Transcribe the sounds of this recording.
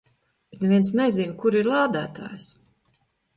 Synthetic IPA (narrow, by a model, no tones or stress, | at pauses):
b̥t̪neviɛnsnɛzinkuɾiɾlˠaːd̪æːt̪a̰ːjs